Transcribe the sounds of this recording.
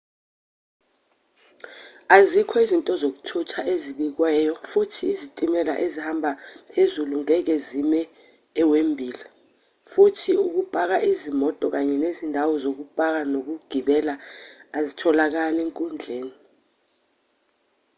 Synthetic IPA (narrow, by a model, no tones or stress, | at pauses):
azikʰɔizintʼɔzok̬u̥tʰutʰaʔeziɓik̬wɛjɔfutʰiːzitʼimɛla̰ʔezihambʱapʰezuluŋɛk̬ezimɛː | wembʱiːla | futʰiuk̬upʼak̬aʔizimɔtʼɔk̬aɲɛnezindʱawɔzok̬upʼak̬anok̬uɡ̥ʱiɓɛlaːzitʰɔlak̬aleŋkʼund͡ɮʱeːni